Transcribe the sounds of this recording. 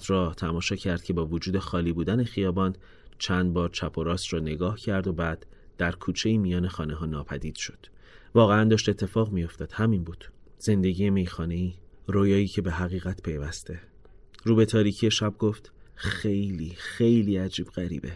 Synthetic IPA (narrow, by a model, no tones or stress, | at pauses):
t̪ʰɾɒːt̪ʰæmɒːʃɒːcʰæɾd̪̥̚cʰe̞bɒːvod͡ʒuːd̪e̞xɒːliːbuːd̪æne̞xijɒːbɒːn | t͡ʃʰænd̪̚bɒːɾt͡ʃʰæpʰo̞ɾɒːsrɒːne̞ɡɒːhcʰæɾd̪o̞bæːd̪̥ːæɾkʰuːt͡ʃʰe̞iːmijɒːne̞xɒːneɦɒːnɒːpʰæd̪iːd̪̥ʃo̞̥d̪̥ | vɒːɣeænd̪ɒːʃt̪e̞t̪ʰːe̞fɒːɣmijo̞ft̪ʰɒːd̪̥hæminbuːd̪̥z̥e̞nd̪e̞ɟije̞me̞jxɒːne̞iː | ɾoːjɒːiːcʰe̞be̞ɦæɣiːɣæt̪ʰpʰe̞jvæst̪e̞ | ɾuːbe̞t̪ʰɒːɾiːcʰije̞ʃæb̚ɡo̞ft̪xe̞jliːxejliːæd͡ʒiːb̥ɢæɾḭːbe